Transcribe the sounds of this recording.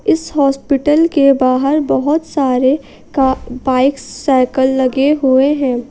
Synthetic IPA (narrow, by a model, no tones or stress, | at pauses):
ɪshɔːspɪʈəlkebaːɦəɾbɐɦʊt̪saːɾe | kabaːɪksːɛːkəlːɐɡeɦueɦɛ̃ː